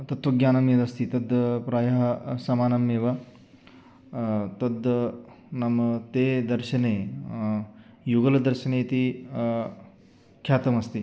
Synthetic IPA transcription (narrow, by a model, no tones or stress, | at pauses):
t̪ɐt̪ʋɐɡjaːnɐmjɐd̪ɐst̪it̪ɐd̪pɾaːjɐɦɐsɐmaːnɐmjeːʋɐ | t̪ɐd̪ | nɐmɐt̪eːd̪ɐɾʃɐneː | juɡɐlɐd̪ɐɾʃɐneːt̪i | kʰjaːt̪ɐmɐst̪i